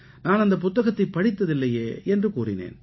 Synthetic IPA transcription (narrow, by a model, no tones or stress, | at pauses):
naːnɐnd̪ɐpʊt̪ːɐɣɐt̪ːɐɪpːɐɽɪt̪ːɐðɪlːɐjeːɛndrɯkuːrɪnḛːn